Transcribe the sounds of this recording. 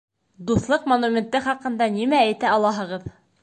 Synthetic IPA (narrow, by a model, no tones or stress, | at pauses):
d̪uθlˠɤqmonumʲent̪ːɘχɑqɤ̆nd̪ɑnimææjt̪æɑlˠɑɦɤ̆ʁɤð